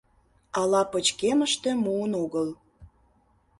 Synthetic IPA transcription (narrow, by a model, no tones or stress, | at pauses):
ɑlɑpət͡ɕkeməʃt̪e̽muənoɣəl